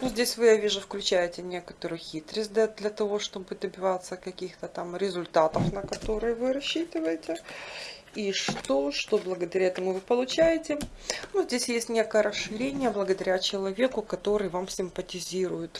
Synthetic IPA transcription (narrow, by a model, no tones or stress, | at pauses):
nuzʲdʲesʲvɨjavʲiʐʊfklʲʉt͡ɕæjɪtʲɪnʲe̞kə̥t̪əɾʊjʊxʲit̪ɾəsʲt̚ʲd̪lʲəd̪lʲɐt̪ɐvo̞ʂt̪o̞bɨd̪əbʲɪvat̪sːəkɐkʲixt̪ət̪amɾʲɪzʊlʲt̪at̪əfnəkɐt̪o̞ɾɨjəvɨɾɐɕːit̪ɨvəjɪtʲɪ | iʂt̪oʂt̪o̞blˠəɡəd̪ɐɾʲaɛt̪əmʊvɨpəlˠʊt͡ɕæjɪtʲɪnuzʲdʲesʲjesʲtʲnʲe̞kəjəɾəsʂɨɾʲenʲɪjəblˠəɡəd̪ɐɾʲat͡ɕɪlˠɐvʲe̞kʊkɐt̪o̞ɾɨjvamsʲɪmpətʲɪzʲiɾʊjʊt̪